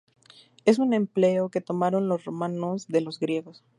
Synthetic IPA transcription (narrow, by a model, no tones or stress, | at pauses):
e̞s̬unẽ̞mple̞oke̞t̪o̞maɾo̞nlo̞sro̞mano̞zðe̞lo̞zɡɾje̞ɣo̞s